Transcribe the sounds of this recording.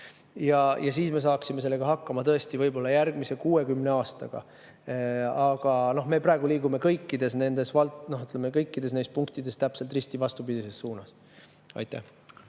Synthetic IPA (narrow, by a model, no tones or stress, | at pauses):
jɑjɑsiːsme̞s̬ɑːksime̞s̬e̞lːe̞ɡ̥ɑɦɑkːɑmɑt̪ɤe̞st̪ivɤjbo̞lːɑjæɾɡ̥mise̞kuːe̞kymne̞ɑːst̪ɑ̰ɡ̥ɑ̰ | ɑɡ̥ɑno̞ɦme̞prɑe̞ɡ̥uliːɡume̞kɤjkːid̪̥e̞sne̞nd̪̥e̞svɑlnoɦyt̪ːˑlemekɤjkːˑid̪esne̞jst̪puŋkt̪id̪̥e̞st̪æpse̞lt̪rist̪ivɑst̪upid̪̥ise̞sːuːnɑs | ɑ̰jt̪ˑːæ̰h